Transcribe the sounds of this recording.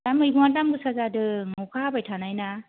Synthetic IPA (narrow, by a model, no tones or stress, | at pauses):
tamɯjbuŋatamɡɯsazadɯŋɔkʰabajtʰanajna